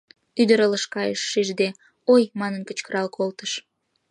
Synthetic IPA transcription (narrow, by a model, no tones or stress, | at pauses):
yd̪əɾələʃkɑjəʃːiʒd̪e | ojmɑnənkət͡ɕkəɾɑlkʰolt̪əʃ